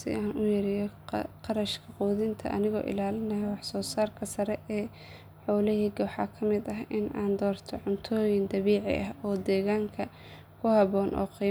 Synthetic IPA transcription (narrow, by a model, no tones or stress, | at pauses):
sɪ̰aːnʊjɐɾɪjɔqɑɾɐʃkʰɐquːðɪnt̪ʰɐ̰ʔɐ̰nɪɣɔ̰ːʔɪ̰laːlɪnɐjɛwɑħsɔːsaːrkʰɐsɐɾɛɛː | ħɔːlɪɦiɡɐħɑ̰kʰɐmɪd̪ɐɦʔɪnaːnd̪ɔːrt̪ʰɔʕʊnt̪ʰɔːjɪnd̪ɐβiːʕɪ̰ʔɐɦɔːd̪ɛːɣaːŋkʰɐ | kʰʊhɐβɔːnʔɔ̰ːqiː